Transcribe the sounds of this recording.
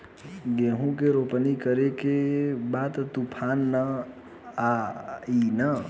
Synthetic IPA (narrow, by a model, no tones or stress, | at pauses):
ɡeɦũkeɾopnikəɾekebat̪t̪upʰanːə | ainə